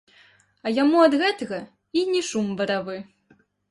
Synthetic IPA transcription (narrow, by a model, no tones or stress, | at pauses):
ɐjamuɐd̪ɣɛt̪ɐɣɐ | inʲɛʂumvɐɾavɨ